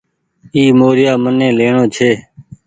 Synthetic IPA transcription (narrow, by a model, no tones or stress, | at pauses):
iːmoːɾɪjaːmənẽːleːɳõːt͡ʃʰeː